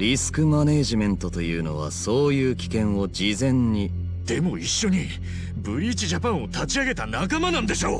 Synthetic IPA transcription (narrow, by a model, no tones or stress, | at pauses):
ɾʲisɨ̥kɯ̟mane̞ːʑimẽ̞nt̪o̞t̪o̞jɯ̟̰ːno̞̰β̞a̰so̞ːjɯ̟ːkʲi̥kẽ̞ɰ̃o̞d͡ʑizẽ̞ɲɲi | d̪̥e̞mo̞iɕːo̞ɲ̟i | bɯ̟ɾʲiːt͡ɕiʑapãɰ̃o̞t̪at͡ɕiaɡe̞t̪anakamanãnd̪e̞ɕo̞ː